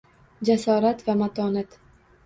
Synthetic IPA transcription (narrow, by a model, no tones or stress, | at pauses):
d͡ʒasɒːɾat̪vamat̪ʰɒnat̪